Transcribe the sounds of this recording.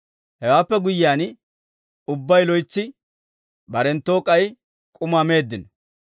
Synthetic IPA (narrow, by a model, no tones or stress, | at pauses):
hɛwaːpːɛɡʊjɪaːn | ʊbːɐjlɔjt͡sːɪ | bɐɾɛnt̪ːo̞ːkʼɐj | kʼʊmaːme̞ːd̪ːɪnɔ